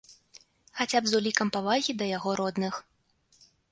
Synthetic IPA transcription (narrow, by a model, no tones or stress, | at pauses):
xat͡sʲabzulʲikɐmpavaɣʲid̪ɐjaɣɔɾɔd̪nɨx